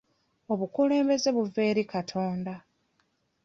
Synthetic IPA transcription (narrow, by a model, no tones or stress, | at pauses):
o̞βukule̞ːmbe̞ze̞βuve̞ːɾikatʰo̞ːnda